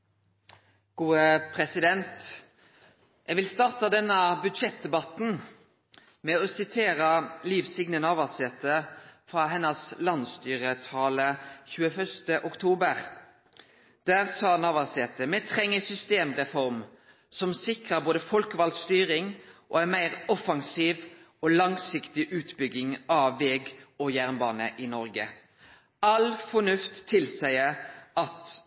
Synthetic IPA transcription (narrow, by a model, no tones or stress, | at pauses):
ɡ̥uːəpʰʁɛsɪd̪ɛnt̪ | ʔɛɡʋɪlst̪ɑːʁt̪ɑd̪ɛnːəbʉd̪ʂɛt̪̚d̪ɛbɑt̪n̩ | mɛɔsɪt̪ʰeːɾəliːʋsɪɡnənɑʋɑsɛːt̪əfʁɑːɦɛnːəslɑnst̪yːʁət̪ʰɑːləçʉːəfœʁst̪əʔʊkt̪ʰuːbəʁ | d̪̥æːʁsɑːnɑʋɑsɛːt̪əmɛt̪ʰʁɛŋːəsʏst̪eːmʁɛfɔɾm | sɔmsɪkʁəboːd̪əfɔlkʋɑld̪st̪yːʁɪŋʔɔ̰ænmæɪʁɔfɑŋsiːʋ | ɔlɑŋsɪkt̪ɪʔʉːt̪bʏɡːɪŋɑʋːɛːɡɔjæʁnbɑːnəʔɪnɔʁɡə | ɑlfɔnʉft̪ʰːɪlsæɪəɑt̪